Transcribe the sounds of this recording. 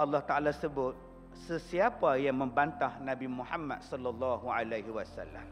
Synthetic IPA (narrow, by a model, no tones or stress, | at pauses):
ʔɑlːɑht̪aʔalasəbʊt̪̚ | səsiapajaŋməmbant̪ahnãbimuħamːa̰t̪̚sɔlːɑlːɑɦualaɦiwasa̰lːa̰m